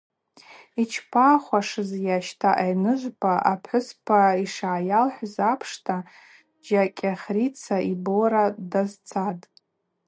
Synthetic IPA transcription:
it͡ʃʰpʰaːχʷaʂɨzjaʃtʰaʔajnɨʒʷpʰaʔapʰħʊspʰaiʂaːjalħʷzapʰʂtʰa | d͡ʒakʲʼaχʲrit͡sʰaiboɾadazt͡sʰatʼ

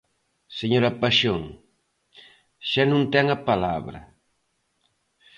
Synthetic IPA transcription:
seɲoɾapaʃoŋ | ʃanũnt̪ɛŋapala̰βɾɐ̰

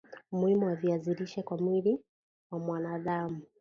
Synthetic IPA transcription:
muhimuwaviaziɾiʃɛkwamwili | wamwanaðamu

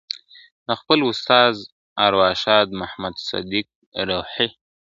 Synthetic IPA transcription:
d̪əxpəlʊst̪ɑz | ɑɾwɑʃɑd̪mahmad̪sa̰d̪ik̚ | ɾoħi

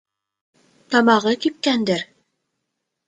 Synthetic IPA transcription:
t̪ɑmɑʁɤkip̚kænd̪ɘɾ

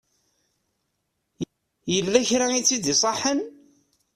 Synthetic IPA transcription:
jəlːæçɾait͡sːid̪isˤɑħən

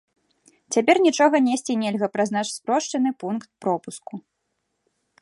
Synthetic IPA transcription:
t͡sʲapʲɛrnʲit͡ʂɔɣɐnʲesʲt͡sʲinʲɛlʲɣɐpɾaznat͡ʃspɾɔʂt͡ʂɐnɨpunkt̪̚pɾɔpusku

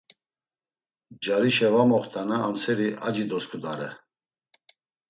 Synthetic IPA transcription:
d͡ʒaɾiʃɛvamɔχt̪ʰʼanaːmsɛɾiʔad͡ʒid̪ɔskʰʼud̪aɾɛ

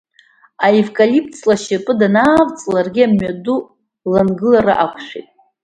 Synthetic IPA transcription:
aivkʼalip̚ʰʼt͡sʰlaʃɪpʼɨdanaːvt͡sʼlarɡʲiamɥadu | lanɡɨlaɾa̰ʔakʷʰʂʷᶣḭtʼ

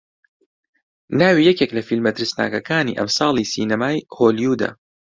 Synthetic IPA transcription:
naːwiːjɛkeklɐfilmɐt̪ɪɾɨsna̰ːkɐkʰaːnḭːʔɐ̰msɑːlˠiːsiːnɐmaːjhoːljuːd̪a̰

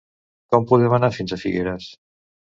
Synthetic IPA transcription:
kɔmpuðɛmanafinzəfiɣeɾəs

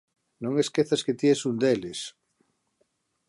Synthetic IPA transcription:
nõŋeskeθasket̪jesund̪eles

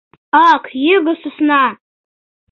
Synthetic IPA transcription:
akʰjɪɡɨsɨsna

